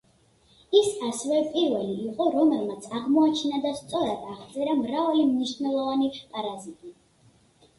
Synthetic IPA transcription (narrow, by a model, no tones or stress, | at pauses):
isasɛvɛpʼiɾvɛliːqʼɔɾɔmɛlmat̪sʰaʁmɔat͡ʃʰinad̪ast̪sʼɔɾad̪̥aʁt̪sʼɛɾamɾavalimniʃnɛlˠɔvanipʼaɾazit̪ʼi